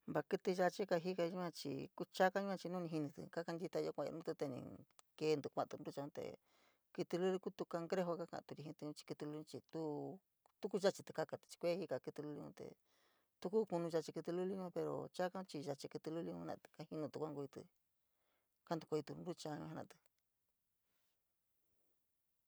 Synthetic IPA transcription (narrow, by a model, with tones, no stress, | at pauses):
mba˧kɨ˧t̪i˧ʒa˧t͡ʃi˦ka˧ɦi˦ka˧ũ˦kã˧t͡ʃḭ˧ku˦t͡ʃa˦ka˧˦ĩ˦kã˧t͡ʃi˧nũ˦˧nĩ˧ɦi˧nĩ˧t̪ɨ̰˧˨ka˦ka˧nd̪i˧t̪a˧a˧˦kʷã˧a̰˧ũ˦t̪u˧t̪e˧nḭ̃˧ke˧nd̪u˧kʷã˧ʔt̪u˧ɾu˦t͡ʃa˧ũ˦˧t̪ḛ˨ | kɨ˧t̪i˧lu˦li˧ku˦t̪u˧ka˧ŋɡɾe˦ɦo˧ka˦kã̰˧t̪u˧ɾi˧hĩ˧t̪u˧ũ˧˦t͡ʃi̥˧kɨ˧t̪i˧lu˧˦˧ũ˧t͡ʃi˧t̪u˦ | t̪u˦ku˦˧ʒa˦t͡ʃi˧t̪ɨ˧ka˦˧ka˧t̪t͡ʃi̥˧kʷe˦hi˦ka˧˨kɨ˧t̪ɨ˧lu˦li˧ṵ̃˧t̪ḛ˨ | t̪u˧ku˦ku˧nũ˧ʒa˧t͡ʃi˧kɨ˧t̪ɨ˧lu˦li˧ɲõ˧˦pe˧ɾo̰˨t͡ʃa˦kã˦t͡ʃi˧ʒa˧t͡ʃi˧kɨ˧t̪i˧lu˦li˧ṵ̃˧˦ã̰˧t̪ɨ̥˧ka˦hi˧nũ˧t̪u˧kʷa˦ŋɡo˧i˧t̪ɨ̰˧ | ka˦nd̪u˧ko˧i˧t̪u˧nɾu˦t͡ʃa˧ɲũ˧ha˧nã̰˧t̪ɨ̥˧